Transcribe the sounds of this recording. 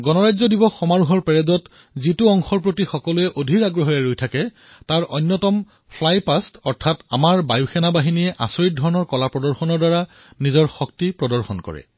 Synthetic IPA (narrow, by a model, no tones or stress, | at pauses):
ɡɔnɔɹajzɔdibɔxɔmaɹuɦɔɹpɛɹɛdɔt | zitʊɔŋxɔɹp̬ɹotixɔkɔluɛʔodʱiɹaɡɹɔɦɔjɛɹojtʰakɛ | taɹɔjnːɔtɔm | pʰlajpastɔɹtʰata̰maɹbajuxɛnabaɦiniɛʔa̰soɹit̚dʱɔɹɔnɔɹkɔlapɹɔdɔɹxɔnɔɹdaɹa | nizɔɹxɔk̚tipɹɔdɔɹxɔnkɔ̰ɹɛ̰